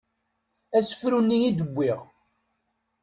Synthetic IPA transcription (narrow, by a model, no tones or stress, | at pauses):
æsə̥fɾunːijid̪əbʷːiʁ